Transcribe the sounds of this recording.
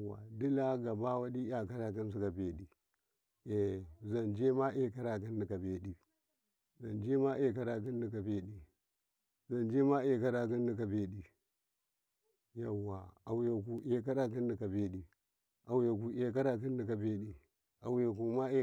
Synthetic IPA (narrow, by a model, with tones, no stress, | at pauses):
a̰˨di˦la˦ɡa˨ba˦wa˦ɗi˦ja˨ka˦ɾa˨ki˦n˦s̬i˦ka˨be˨ɗi˨ | e˨za˨nd͡ʒe˦ma˦ʔe˦ka˦ɾa˨k̬i˦ndi˨ka˨be˨ɗi˨ | za˨nd͡ʒe˦ma˦ʔe˨k̬a˦ɾa˨k̬i˦ndi˨ka˨be˦ɗi˨ | za˨nd͡ʒe˦ma˦ʔe˨ka˦ɾa˨k̬i˦ndi˨k̬a˨be˨ɗi˨ | ja˨wːa˨a˨wja˨ku˨ʔe˨k̬a˦ɾa˦k̬i˦ndi˨ka˨be˦ɗi˨ | ʔa˨wja˨k̬u˨ʔe˨k̬a˦ɾa˨k̬i˦ndi˨ka˨be˦ɗi˨ | a̰˨wja˨k̬u˨ma˦e˦